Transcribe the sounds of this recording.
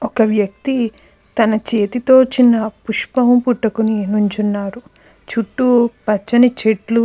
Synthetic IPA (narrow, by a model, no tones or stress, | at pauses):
ɔkɐʋjɐk̚t̪i | t̪ɐnɐt͡ʃe̞ːt̪it̪o̞ːt͡ʃinːɐpuʂpɐʋɐmpuʈːɐkuninuɲt͡ʃunːaːɾu | t͡ʃuʈːupɐt͡ʃːɐnit͡ʃeʈlu